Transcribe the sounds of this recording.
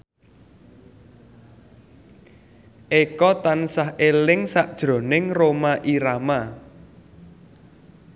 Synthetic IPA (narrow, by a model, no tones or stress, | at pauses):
ʔekɔt̪ansahelɪŋsaʔd̥ʒ̥ɾo̤nɪŋromaʔiɾama